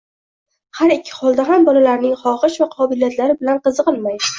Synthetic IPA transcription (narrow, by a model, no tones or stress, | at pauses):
haɾɪkʲʰːɪ̥hɒlˠd̪aɦambɒlalaɾnɪŋχɒχɨʃvaqʰɒbɪlijat̪laɾɪbɪlanqɨzɨqɨlˠmaj